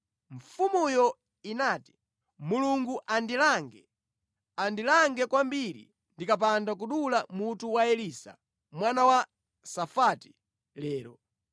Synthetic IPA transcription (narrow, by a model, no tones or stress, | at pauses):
ɱfumujɔ | inaːti̥ | muluŋɡuʔandilaŋɡɛ | andilaŋɡɛkwambiɾḭ | ndikap̬andak̬uɗulamutuwaɛliːsa̰ | mwanawa | safati̥ | lɛːɾɔ